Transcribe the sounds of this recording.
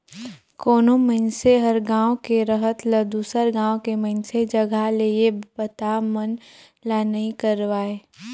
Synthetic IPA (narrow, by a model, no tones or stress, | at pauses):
koːnõməɪnseɦəɾɡãːwkeɾəɦət̪ləd̪uːsəɾɡãːwokeməɦɪnsed͡ʒəɡʱaleːebət̪amən | laːnəĩkəɾʋaːeː